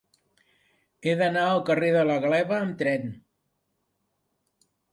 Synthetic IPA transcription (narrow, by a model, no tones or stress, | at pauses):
eðənaəlˠkəreðələɣlɛβəːmt̪ɾɛn